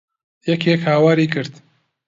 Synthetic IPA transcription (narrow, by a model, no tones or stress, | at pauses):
jɛkʰekhaːwaːɾiːkɨɾd̪